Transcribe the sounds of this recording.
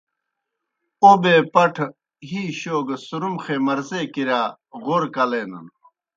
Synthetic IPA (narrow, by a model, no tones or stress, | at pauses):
obeːpɐʈʰ | ɦiːɕoːɡɐsuɾumxeːmɐɾzeːkiɾaː | ɣoɾkɐleːnɐ̰n